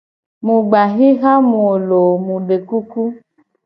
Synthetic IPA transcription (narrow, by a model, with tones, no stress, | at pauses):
mũ˨ɡ͡ba˨ɦi˦ɣa˦m̃ũ˨o˨lo˨mũ˨ɖe˨ku˦ku˦